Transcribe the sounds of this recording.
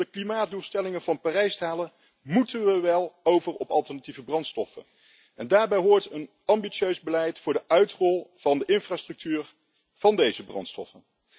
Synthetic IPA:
əklimaːd̚duːlstɛlɪŋənvɑnpaːrɛjstaːlə | mutənʋəʋɛlˠowvərɔpɑlˠtɛɹnativəbrɑntstɔfə̰n | ɛndaːɹbɛjɦoːɹtən | ɑmbiʃøɥzbəlɛjtfʊːɹdəʔœɥtrɔlˠv̥ɑndəʔɪnfraːstrɵk̚tyːr | v̥ɑndejzəbrɑ̰ntstɔ̰fən

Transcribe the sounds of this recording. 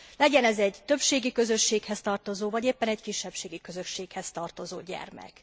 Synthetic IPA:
lɛɟɛnɛzɛɟt̪ø̞pʃeːɡikø̞zø̞ʃːeːkhɛst̪ɒrt̪o̞zoːvɒɟeːpːɛnɛɟkiʃːɛpʃeːɡikø̞zø̞ʃːeːkhɛst̪ɒrt̪o̞zo̰ːɟɛ̰rmɛ̰k

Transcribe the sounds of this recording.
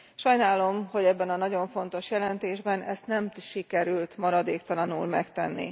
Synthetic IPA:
ʃɒjnaːlo̞mho̞ɟɛbːɛnɒnɒɟo̞ɱfo̞n̪t̪o̞ʃjɛlɛnt̪eːʒbɛnɛst̪nɛmʃikɛɾylt̪mɒɾɒd̪eːkt̪ɒlɒnṵːlmɛkt̪ɛnːḭ

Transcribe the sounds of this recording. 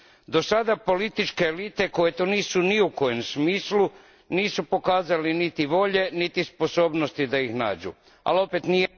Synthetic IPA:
d̪o̞sad̪apo̞lit̪it͡ʃke̞ːlit̪e̞ko̞jet̪oniːsuniuko̞jemsmiːslu | niːsupo̞kaːzalinit̪iʋo̞ʎe̞nit̪ispo̞so̞ːbnost̪id̪aixna̰ːd͡ʒṵ | a̰lo̞pet̪nije

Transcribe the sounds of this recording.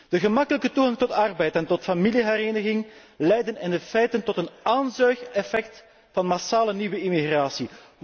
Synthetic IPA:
d̥əɣəmɑkələkətuɣaŋtɔtɑrbɛjtɛntɔtfamiliɦɛɾeːnəɣɪŋ | lɛjdənɛndəfɛjtəntɔtənaːnzœɥxɛfɛk̚t | fɑnmasaːləniwəimiɣraːsi

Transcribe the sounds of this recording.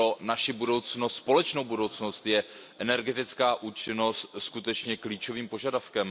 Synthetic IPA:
o̞naʃɪbudo̞wt͡snost̪spo̞lɛt͡ʃno̞wbudo̞wt͡sno̞st̪jɛʔɛnɛɾɡɛt̪ɪt͡skaːʔuːt͡ʃɪno̞st̪skut̪ɛt͡ʃɲɛkliːt͡ʃo̞viːmpo̞ʒadafkɛm

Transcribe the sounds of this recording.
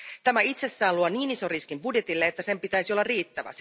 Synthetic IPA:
t̪æmæit̪se̞sːæːluɑniːnisoriskimbudje̞t̪ilːeet̪ːæse̞mpit̪æisiolːɑrriːt̪ːæʋæ̰s

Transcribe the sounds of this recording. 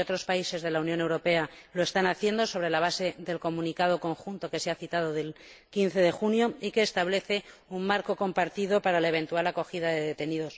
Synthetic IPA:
ot̪ɾo̞spaise̞zðe̞launjone̞wɾo̞pe̞alo̞e̞st̪anaθje̞nd̪o̞so̞β̞ɾe̞laβ̞ase̞ðe̞lko̞mũnikað̞o̞ko̞ŋxunt̪o̞ke̞seaθit̪að̞oðe̞lkinθe̞ð̞e̞xunjo̞ike̞ːst̪aβle̞θe̞ | ummaɾko̞ko̞mpaɾt̪iðo̞paɾalae̞β̞ẽ̞nt̪ualako̞xiðaðe̞ðe̞t̪e̞niðo̞s

